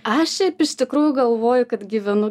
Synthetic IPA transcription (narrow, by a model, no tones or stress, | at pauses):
ɐʃʃʲɛɪpɪʃt̪ʲɪkɾuːjʊɡɐlˠʋoːjʊkɐt̪ɡʲiːʋʲɛnʊ